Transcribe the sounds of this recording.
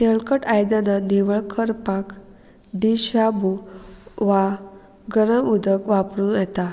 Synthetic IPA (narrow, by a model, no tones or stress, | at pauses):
teɭkəʈajd̪ananiʋəɭkʰəɾpak | ɖ̪iɕabu | ʋa | ɡəɾəmud̪əkʋapɾuːnat̪a